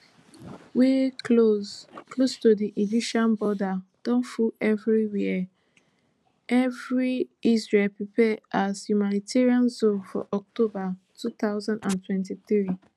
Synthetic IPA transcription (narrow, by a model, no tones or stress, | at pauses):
we | klostodiʔid͡ʒipʃãnbɔdad̥ɔ̃nfuɛvɹiwi | ʔɛvɹiisɹelpipɛʔazjumanitʰɛɹiãnzofɔ̰ʔɔk̚tʰobatʰut̪aʊzãndãntwɛ̃ntiθɹi